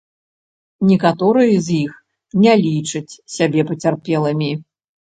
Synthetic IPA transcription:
nʲikat̪ɔɾɨjɐzʲjix | nʲɛlʲit͡ʂɨt͡sʲsʲabʲɛpɐt͡sʲarpʲɛlˠɐmʲi

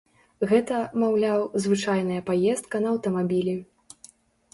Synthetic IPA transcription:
ɣɛt̪ɐmawlʲawzvɨt͡ʂajn̪ɐjɐpajɛst̪̚kɐnɐːwt̪ɐmabʲilʲi

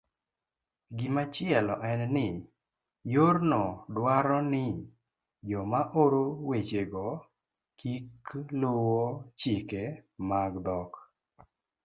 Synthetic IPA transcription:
ɡɪmat͡ʃɪɛlɔʔɛnnɪ | joɾnɔdwaɾɔnɪ | d͡ʒɔmaʔoɾowet͡ʃeɡɔ | kiklowɔt͡ʃɪkemaɡdɔk

